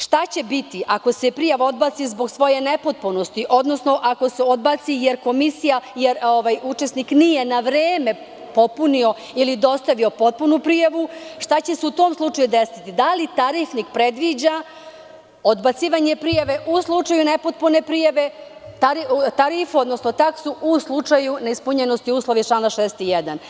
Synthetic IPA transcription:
ʃt̪at͡ɕe̞bit̪iʔako̞se̞pɾijaʋaod̪baːt̪sizbo̞ɡsʋo̞je̞nepo̞t̪̚puno̞st̪iʔo̞d̪no̞sno̞ʔako̞seo̞d̪̚bat̪sijeɾko̞misijajeɾoʋajut͡ʃesniknije̞naʋɾeːme̞ | po̞punio̞ | ilid̪o̞st̪aʋio̞po̞t̪̚punupɾijaʋuʂt̪at͡ɕeseut̪o̞ːmslˠut͡ʂajud̪esit̪id̪alit̪aɾifnik̚pɾe̞d̪ʋid͡ʑa | o̞d̪bat̪siːʋaɲe̞pɾijaʋe̞ʔuslˠut͡ʂajune̞pot̪̚pune̞pɾijaʋe̞ | t̪aɾit̪aɾifuod̪no̞snot̪aksuʔuslˠut͡ʂajunaispuɲeno̞st̪iuːslˠo̞ʋit͡ʃlaːnaʃest̪ijed̪an

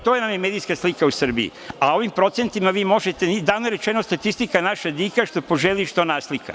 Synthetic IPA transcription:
t̪o̞ːjenamjemeːd̪ijskaslikausər̩bḭḭao̞ʋimpɾo̞t̪se̞nt̪imaʋiːmo̞ʒet̪e̞nid̪aːʋnoɾe̞t͡ʃe̞no̞st̪at̪ist̪ikanaʃad̪ikaʃt̪o̞po̞ʒeliʃt̪onaslika̰

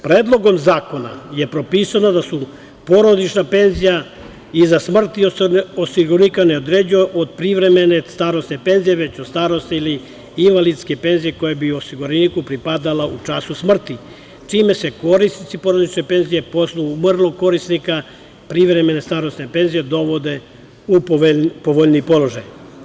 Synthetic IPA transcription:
pɾeːd̪lo̞ɡo̞mzaːko̞na̰je̞pɾo̞piːsanod̪asu | po̞ɾo̞d̪it͡ʃnape̞nzija | izasmr̩t̪iosiɡuɾnikaneod̪ɾed͡ʑuoʔod̪̚pɾiʋɾe̞me̞ne̞st̪aːɾo̞sne̞pe̞nzije̞ʋe̞t͡ɕost̪aːɾo̞st̪iiliː | nʋalid̪ske̞pe̞nzije̞ko̞jebiuosiɡuɾenikupɾipad̪alaut͡ʃaːsusmr̩t̪i | t͡ʃiːme̞se̞ko̞ɾisnit̪sipoɾod̪it͡ʃne̞pe̞nzije̞po̞snumrlˠo̞ko̞ɾisnika | pɾiʋɾe̞me̞ne̞st̪aːɾo̞sne̞pe̞nzije̞d̪o̞ʋod̪e̞ | upopoʋoʎnipo̞lo̞ʒa̰j

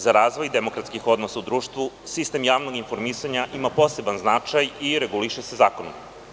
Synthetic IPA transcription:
zaɾaːzʋo̞jd̪emo̞kɾat̪skixo̞d̪nosaud̪ɾuːʃt̪ʋusist̪emjaːʋno̞ɡinfo̞ɾmisaɲaʔimapo̞se̞banznat͡ʂajiɾe̞ɡuliʃesezaːko̞nom

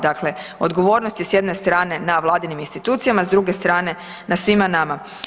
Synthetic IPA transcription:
d̪akle̞ | o̞d̪ɡo̞ʋo̞ːɾnost̪jesje̞d̪ne̞st̪ɾaːne̞naʋlˠaːd̪iniminst̪it̪uːt̪sijamazd̪ɾuɡest̪ɾaːne̞ | nasʋimanama

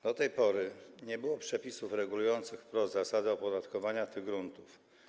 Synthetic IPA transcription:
d̪ɔt̪ɛjpɔɾɘɲɛbɘwɔpʂɛpʲisufɾɛɡulujɔnt̪sɘxpɾɔzzasad̪ɛɔpɔd̪at̪kɔvaɲat̪ɘɣɡɾunt̪uf

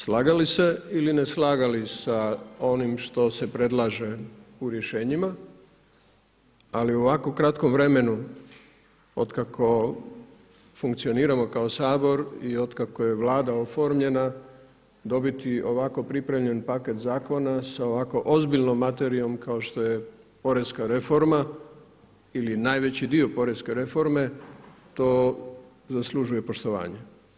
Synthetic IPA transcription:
slaːɡalise̞ilineslaːɡalisao̞nimʃt̪o̞se̞pɾe̞d̪lˠaʒe̞uɾje̞ʃe̞ːɲima | aliuʋakokɾat̪ko̞mʋɾe̞me̞nu | od̪kakʰo̞ | fuŋkt̪sio̞niːɾamo̞kao̞saːbo̞ɾio̞d̪kakoje̞ʋlaːd̪aofo̞ɾmʎe̞na | d̪o̞bit̪iʔo̞ʋako̞pɾipɾemʎe̞npake̞t̪zaːko̞nasao̞ʋako̞ʔo̞zbiʎnomːat̪e̞ɾio̞mkao̞ʃt̪o̞je̞po̞ɾe̞skaɾe̞fo̞ɾma | ilinaːjʋe̞t͡ɕid̪io̞po̞ɾeske̞ɾe̞fo̞ɾme̞t̪o̞ː | zaslˠuʒuje̞po̞ʃt̪o̞ʋa̰ːɲe

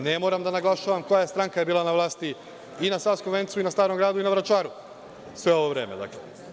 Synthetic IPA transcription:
nemo̞ːɾamd̪anaɡlˠaʃaːʋamko̞jajest̪ɾaŋkajebiːlˠanaʋlˠaːst̪i | inasaːskoʋenit̪suinast̪aːɾo̞mɡɾaːd̪uinaʋɾat͡ʃaːɾu | sʋe̞o̞ʋo̞ʋɾe̞ːmed̪a̰klḛ

